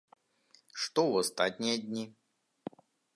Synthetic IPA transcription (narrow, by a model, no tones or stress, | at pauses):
ʂt̪ɔvɐst̪atʲnʲɪjəd̪ʲnʲi